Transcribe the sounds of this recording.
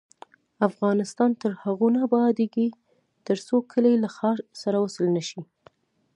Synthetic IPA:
afɣɑnɪst̪ɑnt̪əɾhaɣunabɑd̪eɡi | t̪əɾsokʰəlelaxɑɾsaɾawasəlnaʃi

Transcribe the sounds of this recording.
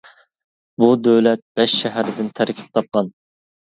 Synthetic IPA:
bud̪øwlɛt̪̚b̥ɛʃːæɦæɾɪd̪ɪnt̪ʰæɾkʲʰi̥p̚t̪ʰɑp̚qɑn

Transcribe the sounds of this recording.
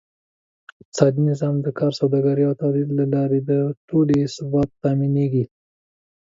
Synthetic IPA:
t͡sɑd̪inɪzɑmd̪əkʰɑɾsawd̪ɑɡaɾiawt̪ɑlid̪lalɑɾed̪əʈolesbɑt̪ːɑmineɡi

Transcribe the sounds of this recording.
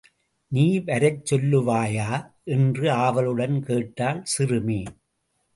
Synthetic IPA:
niːʋɐɾɐɪt͡ʃːɔlːɯʋaːjaːʔɛndrɯaːʋɐlɯɽɐnkeːʈːaːlsɪrɯmiː

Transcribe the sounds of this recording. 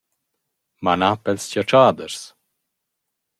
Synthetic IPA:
manapɛlscɔt͡ʃaːd̪əɾs

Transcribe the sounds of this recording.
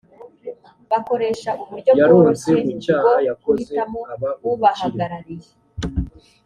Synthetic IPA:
βako̞ɾe̞ʃaʔuβuɾɟojaɾoːseemut͡ʃaːohajakoizeamoaβauβahaɡaɾaɾije

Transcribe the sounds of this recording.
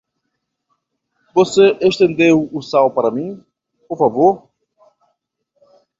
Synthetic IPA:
voseʔeʃt̪ẽnd̪ewusawpɐɾɐmĩ | poɾfavoɾ

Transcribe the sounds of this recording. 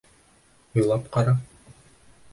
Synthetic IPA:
ŏjlˠɑpqɑɾɑ

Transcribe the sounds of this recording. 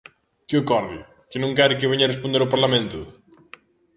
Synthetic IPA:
kɪokɔɾðɪ̰ | kɪnũŋkaɾɪk̬ɪβeɲɐrespond̪eɾopaɾlamẽnt̪ʊ

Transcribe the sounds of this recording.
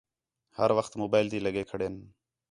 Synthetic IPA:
həɾʋəxt̪moːbaːɪld̪iːləɡeːkʰəɽeːn

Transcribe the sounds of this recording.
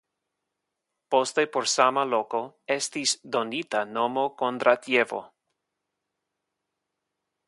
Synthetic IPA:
post̪e̞poɾsamalo̞ko̞est̪isd̪o̞nit̪ano̞mo̞kont̪ɾat̪je̞vo̰

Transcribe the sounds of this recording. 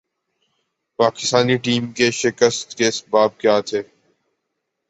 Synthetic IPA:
paːkɪ̥st̪aːniʈiːmkeʃɪkəst̪keɪsbaːb̚kjaːt̪ʰeː

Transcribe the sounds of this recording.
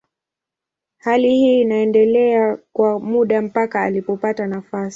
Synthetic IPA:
halihiːnaɛndɛlɛakwamuɗam̩pakaːlipɔpatanafasi̥

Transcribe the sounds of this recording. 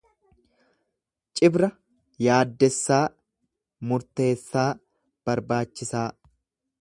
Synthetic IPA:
t͡ʃʼɪbɾɐ | jaːd̪ːɛsːaː | mʊɾt̪e̞ːsːaː | b̥ɐɾbaːt͡ʃːɪsaː

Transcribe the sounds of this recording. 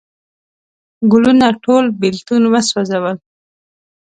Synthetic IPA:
ɡʊlunaʈʰolbilt̪unwəswazawəl

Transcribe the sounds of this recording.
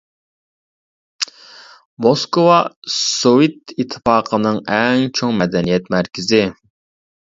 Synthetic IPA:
moskowɑsowit̪it̪ʰːɨ̥fɑːqʰənɨŋɛŋt͡ʃʰoŋmɛd̪ɛnijɛt̪mæɾkʲɪzɪ

